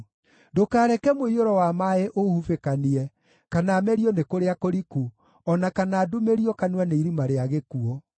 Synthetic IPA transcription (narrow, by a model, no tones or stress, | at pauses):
dokaːɾɛkɛmoioɾɔwamaeʔohufekaniɛ | kanaːmɛɾiɔnekoɾeakoɾiku | ɔnakanaːdumeɾiɔkanwaneiɾimaɾeaɣekuɔ